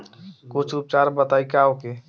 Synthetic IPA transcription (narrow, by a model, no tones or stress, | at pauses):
kut͡ʃʰup̚t͡ʃaɾbət̪aːikaoke